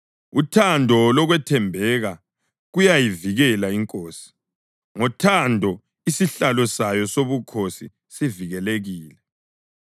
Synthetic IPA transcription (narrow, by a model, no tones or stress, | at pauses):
utʰandʱɔlɔɣwɛtʰɛmbʱɛɣa | ɣujajiviɣɛlaiŋkʼoːsi̥ | ŋɔtʰandʱɔ | isiɬalɔsajɔsoβukʰosi | siviɣɛleɣiːlɛ